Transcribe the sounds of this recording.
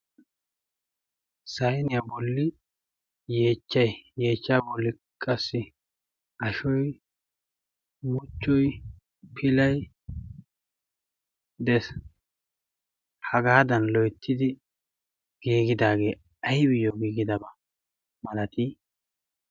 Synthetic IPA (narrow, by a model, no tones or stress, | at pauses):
sɐjnɪjɐbɔlːɪ | je̞ːt͡ʃːɐjje̞ːt͡ʃːaːbɔlːɪ | kʼɐsːɪ | ʔɐʃɔj | mʊt͡ʃːɔj | pʰɪlɐj | d̪ɛs | hɐɡaːd̪ɐnlɔjt̪ʰːɪd̪ɪ | ɡ̥iːɡɪd̪aːɡe̞ː | ɐjbɪjoɡiːɡɪd̪ɐbɐ | mɐlɐt̪iː